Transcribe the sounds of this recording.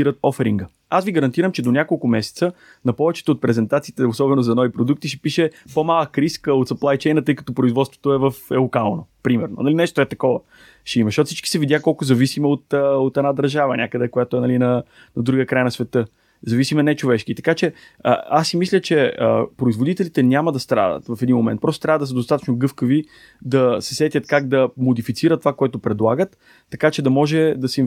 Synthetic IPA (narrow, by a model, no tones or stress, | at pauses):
iɾət̪̚ɔfɛɾiŋɡə | asviɡəɾɐnt̪iɾəmt͡ʃɛd̪onʲakolˠkʊmɛsɛ̥t̪sə | nɐpɔvɛt͡ʃɛ̥t̪oːt̪̚pɾɛzɛnt̪at̪siːt̪ɛosɔbɛnozɐnɔvipɾod̪uk̚t̪iʃɛ̥piʃɛpomalˠəkɾiskəot̪sɐplˠajt͡ʃɛjnət̪ɤjkə̥t̪opɾoizvɔt̪st̪vo̥t̪oɛvəfɛlˠokalˠnopɾimɛɾno̰nɐlinɛʃt̪oɛt̪ɐkɔvə | ʃɛimɐʃtɔt̪sit͡ʃki̥sɛvid̪jakɔlˠkʊzɐvisiməot̪əot̪ɛnad̪əɾʒavənʲʔakəd̪ɛkojat̪oɛnɐlinɐ | nɐd̪ɾuɡəkɾajnɐsvɛt̪ɤ | zɐvisimɛnɛt͡ʃovɛʃkit̪ɐ̥kat͡ʃɛ | ə̰asːimislʲət͡ʃɛəpɾoizvod̪it̪ɛlit̪ɛnʲamɐd̪ɐst̪ɾa̰d̪ə̰t̪vɐfɛd̪inmomɛnt̪̚pɾɔst̪ot̪ɾʲjavəd̪ɐsəd̪ost̪at̪ə̥t͡ʃnoɡɤfkəvi | d̪ɐsɛsɛt̪ʲjət̪kaɡd̪ɐmod̪ifit̪siɾət̪ːovakoʊɛt̪opɾɛd̪lˠaɡət̪ː | ɐkat͡ʃɛd̪ɐmɔʒɛd̪ɐsɛ